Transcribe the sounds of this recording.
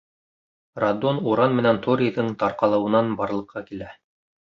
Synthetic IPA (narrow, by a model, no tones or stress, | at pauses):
rad̪onuɾɑnmɘ̆nænt̪ʰoɾʲijðɤɴt̪ɑɾqɑlˠɤ̆wɤ̆nɑnbɑɾlˠɤ̆qʰːɑkilæ